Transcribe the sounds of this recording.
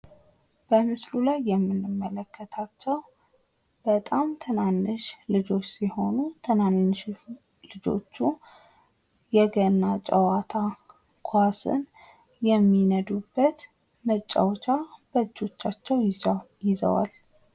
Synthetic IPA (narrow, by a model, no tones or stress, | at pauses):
b̥əmɨslulajːɛmːɨnːɨmːələkːət̪ʰat͡ʃːɛw | b̥ət̪ʼamt̪ʰɨnanːɨʃlɨd͡ʒo̞t͡ʃːsiho̞nut̪ʰənanːɨʃlɨd͡ʒo̞̰t͡ʃːu | jɛɡənːat͡ʃʼəwat̪ʰa | kʰwasɨ̰n | jɛmːinəd̪ubːət̪ | mət͡ʃʼːa̰wt͡ʃʰab̥əd͡ʒːo̞t͡ʃːat͡ʃːɛwjɪzə̰wa̰l